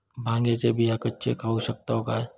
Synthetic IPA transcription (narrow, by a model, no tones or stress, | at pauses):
bʱãːŋɡet͡ʃebʱijakətːʃʰḛkʰausək̚t̪aɦoɡaɦɛ